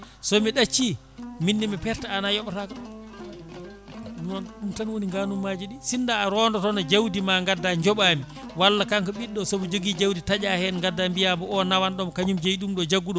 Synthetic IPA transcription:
sɔmiɗat͡ʃːi | minːimɛpɛɾtaːnajɔɓataka | ɗuanɗumtanwoniŋɡanumːad͡ʒiɗisindaːɾɔndɔtɔnad͡ʒawdimaŋɡadːaɲd͡ʒɔɓaːmi | walːakaŋkɔɓiɗːɔsɔbɔd͡ʒoɡid͡ʒawditad͡ʒahɛnŋɡadːambijamɔɔnawanɗɔmkaɲumd͡ʒejɗumɗɔd͡ʒaɡːuɗɔ

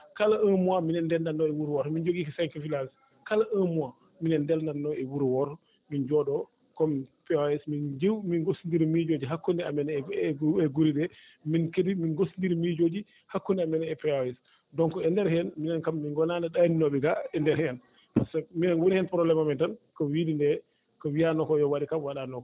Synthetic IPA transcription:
kalaəmuwaminɛndɛlndanːɔɛwuɾwɔɾɔmind͡ʒoɡikɔsɛŋkɔfilas | kalaʔəmuwa | minɛndɛlndanːɔɛwuɾwɔɾɔ | mind͡ʒɔɗɔ | kɔmipɛaɛsmind͡ʒewminɡosndiɾimid͡ʒod͡ʒiɦakːundɛamɛnɛɛɡuɾiɗɛ | minkediminɡosindiɾimid͡ʒod͡ʒi | hakːundɛamɛnɛɛpɛaɛs | dɔŋkɔɛndɛɾhɛɛnminɛnkamːinɡɔnanaɗaninɔɓɛɡaɛndɛɾhɛn | pasaminanwonihɛnpɾɔblɛmamɛntankɔwidindɛ | kɔwianɔkɔjɔwaɗikamwaɗanɔkɔ

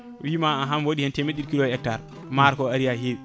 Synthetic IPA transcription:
wimaaɦamwoɗihɛntɛmeɗilkilɔɛk̚taɾ | maɾkɔaɾijaɦew

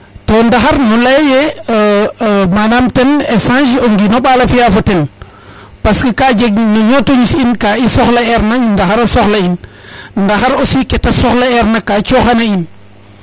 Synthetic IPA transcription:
tondaxaɾnɔlajje | manamtenesãʃoŋɡinoɓalafijafoten | paskikaːd͡ʒeɡnoɲotoɲisinkaːisoxlaɛɾnandaxaɾasoxlain | ndaxaɾosiketasɔxlaɛɾnakaːt͡ʃoxanain

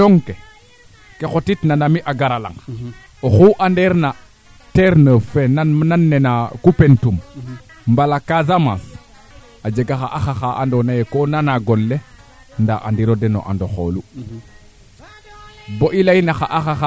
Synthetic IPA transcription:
oŋke | kexotitnanamiʔaɡaɾala̰ŋ | oxuʔandeɾna | teɾnəfenanmnanːenakupentum | mbalakazama̰s | ad͡ʒeɡaxaʔaxaxaʔa̰ndonajekonanaɡolːe | nda̰ʔa̰ndiɾodeno̰ʔa̰ndoxo̰lu | boʔilainaxaʔaxaxa

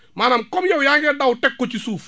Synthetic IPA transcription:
maːnamkɔmjɛwjaŋɡɛdautɛkːot͡ʃisuːf

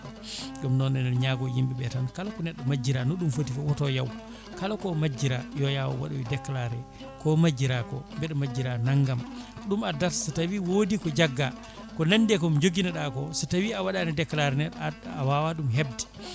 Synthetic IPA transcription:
ɡamnɔnɛnɛɲaɡɔjimbiɓɛtankalakɔnɛɗːɔmad͡ʒiɾanɔɗumfotikɔwɔtɔjaw | kalakɔmad͡ʒːiɾajɔjawa̰wa̰ɗuwidɛkːlaɾɛ | kɔmad͡ʒːiɾakɔ̰mbɛɗɔmad͡ʒːiɾanaŋɡamɗumadaɾsatawiwodikɔd͡ʒaɡːa | kɔnanːdɛkɔmd͡ʒoɡinaɗakɔsutawiawaɗanidɛkːlaɾɛnɛɗawawaɗumɦebdi̥

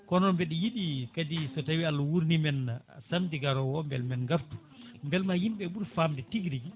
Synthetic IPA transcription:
kɔnɔnbɛɗijiɗikadisɔtawialːwuɾnimɛnsamdiɡaɾɔwɔmbɛ̰lmɛnŋɡaftu̥ | mbɛlmajimɓɛɓuɾfamdɛtiɡɾiɡi

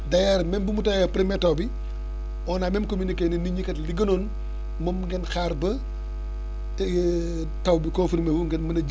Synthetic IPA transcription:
dɐjaɾmɛmbumutɐwɐpɾimɛtɐwbi | ɔnaːmɛmkomunikeːniniɲikɐtliɡɐnoːn | mɔmŋɡɛnxaːrbɐ | tɐwbikɔ̃nfiɾmewuŋɡɛnmɐnɐd͡ʒ

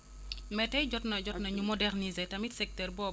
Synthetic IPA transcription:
mɛtɐjɟɔtnɐd͡ʒɔtnɐɲumɔdɛɾnizɛtɐmitsɛk̚tɛrbɔ

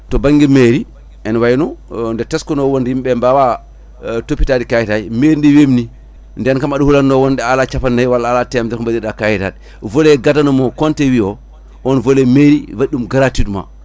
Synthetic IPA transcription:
tɔbaŋɡimeɾi | ɛnwajnɔndɛtɛskɔnɔwondijmɓɛmbawa | topːitadikajitajmeɾindiwemni | ndɛnkamaɗuhulanːɔwɔndɛalat͡ʃapanːajwalaːlatɛmdɛkɔmbadiɗakajita̰d̚ | volɛɡatanɔmɔkɔntɛwiɔ | ʔɔnvolɛmeɾivaɗːumɡaɾatitma̰

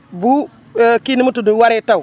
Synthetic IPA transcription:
bu | kinimutuduwaɾetaw

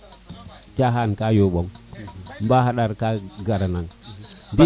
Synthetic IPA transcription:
t͡ʃaɦankajoɓɔŋ | mbaɦaɗaɾkaɡaɾanaŋbi

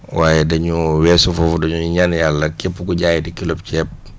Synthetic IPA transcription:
waːjɛdɐɲuwɛːsufɔfudɐɲuɲanjalːɐkepːukuɟaːjidikilop̚cɛːp̚

